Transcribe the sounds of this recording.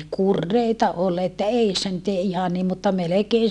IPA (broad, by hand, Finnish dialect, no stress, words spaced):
kurːeitɑ ol etːæ eisːæ nyt ei ihɑn niːm mutːɑ melekeːn̞